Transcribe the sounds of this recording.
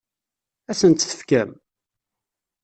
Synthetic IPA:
æsənt̪θə̥fkæm

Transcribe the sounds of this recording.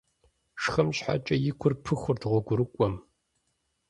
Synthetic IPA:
ʂxɐmɕħa̰t͡ʃʼɐjɪkʷʰʊrpʰɨxʷʊrdʁʷɔɡʷʊɾɨkʷʼɔm

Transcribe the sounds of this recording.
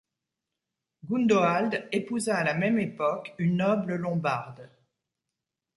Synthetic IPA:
ɡund̪oald̪epuzaːlamɛmepɔkynːɔbləlɔ̃baʁd̪

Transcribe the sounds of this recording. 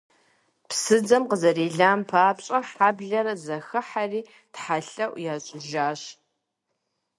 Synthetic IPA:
psɨd͡zɐmqəzɐreːɮaːmpʰaːpɕʼɐħaːbɮɐrɐzɐxɨħariː | tħaɬɐʔʷjaːɕʼʊʒaːɕ

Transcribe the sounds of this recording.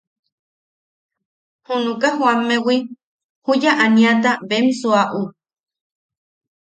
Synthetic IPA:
hunũkahuamːewi | hujaʔanĩat̪aβemsuaʔu

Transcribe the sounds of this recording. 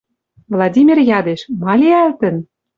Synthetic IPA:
vlˠɑdʲimʲirjɑd̪eʃmɑlʲiælt̪ə̆n

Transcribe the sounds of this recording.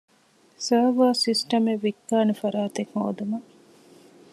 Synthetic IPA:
sɐːʋɐːsisʈɐmeʋːikːaːnufɐɾaːt̪ekho̰ːd̪umɐ

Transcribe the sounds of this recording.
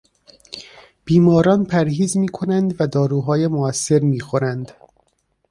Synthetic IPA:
b̥iːmɒːɾɒːnpʰæɾɦiːzmiːkʰo̞nænd̪væd̪ɒːɾuːɦɒːjemoæsːe̞ɾmiːxo̞ɾænd̪

